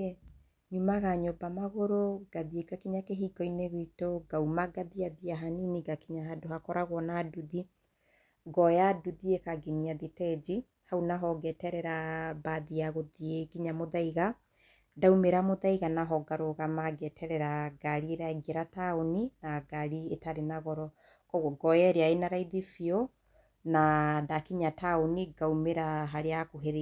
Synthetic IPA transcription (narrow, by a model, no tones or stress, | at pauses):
e | ɲumaɣaɲobamaɣoɾoɡ̥aðieɡakiɲakeɦiɡɔineɣwitoɡaumaɡaðiaðiaɦaniniɡakiɲaɦadohakɔɾaɣwɔnaduði | ɡɔjaduðiekaɡiniaðitɛd͡ʒi | haunaɦɔɡɛtɛɾɛɾabaðiaɣoðieɡiɲamoðaiɣa | daumeɾamoðaiɣanaɦɔɡaɾoɣamaɡɛtʰɛɾɛɾaɡaɾieɾaɡeɾataoninaɡaɾietaɾenaɣɔɾɔ | kɔɣɔɡɔjɛɾeaenaɾaiðifio | nadakiɲataoniɡaumeɾaɦaɾeakoɦeɾ